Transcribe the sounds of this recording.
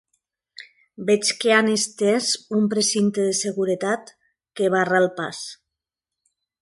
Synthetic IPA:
bɛt͡ʃkeanest̪ezumpɾesint̪eðeseɣuɾet̪at̪ | keβ̞aralˠpa̰s

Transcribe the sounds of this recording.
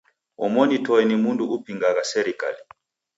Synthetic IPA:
ɔ̰mɔnitʰɔjɛnimuntʼuʔupʰiŋak̬asɛɾikʼa̰li

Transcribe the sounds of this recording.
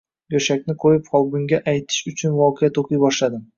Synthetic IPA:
ɡoʃakʲnɪqʰojɪpqʰɒlˠbʊŋɡʲaʔajt̪ʰɪ̥ʃʊt͡ʃʰʊnvɒqʰejat̪ʰoqʰɨjbɒʃlad̪ɪm

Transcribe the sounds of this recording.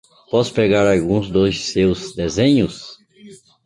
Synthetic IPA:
pɔspɾeɡaɾawɡũzd̪ʊzsewzd̪ezẽɲʊs

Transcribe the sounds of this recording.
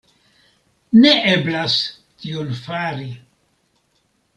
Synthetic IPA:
ne̞ʔeblas | tionfaɾi

